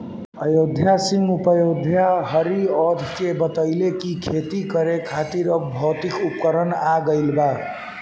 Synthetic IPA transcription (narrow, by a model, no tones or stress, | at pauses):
əjod̪ʱjasimupəjod̪ʱjaɦəɾiɔd̪ʱkebət̪əɪlekikʰet̪ikəɾekʰat̪iɾəbʱəwt̪ikupkəɾənaɡəɪlba